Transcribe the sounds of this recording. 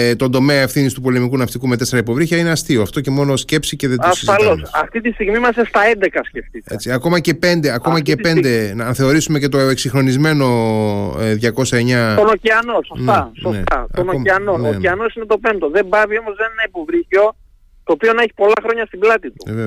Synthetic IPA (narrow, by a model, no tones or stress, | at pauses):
t̪o̞nd̪o̞meɐefθinist̪upo̞le̞mikunɐft̪ikume̞t̪e̞se̞ɾɐipo̞vɾiçɐineɐst̪io̞ɐft̪o̞ce̞mo̞no̞sce̞psiceðɐsizfɐlo̞sɐft̪it̪ist̪iɣmimɐsest̪ɐend̪e̞kɐsce̞ft̪it̪ḛt͡siɐko̞mɐce̞pe̞nd̪eɐko̞mɐcee̞nd̪e̞nɐnθe̞o̞ɾisume̞cet̪o̞eksixɾo̞nizme̞no̞ | ðʝɐko̞sɐe̞ɲɐt̪onociɐnosost̪ɐsonet̪ɐt̪onoiɐnonociɐno̞sinet̪o̞pe̞nt̪oðe̞mbɐvio̞mozðenenɐipo̞vɾiçio̞ | t̪oːpio̞nɐeçi̥po̞lɐxɾo̞ɲɐst̪iblɐt̪it̪ueve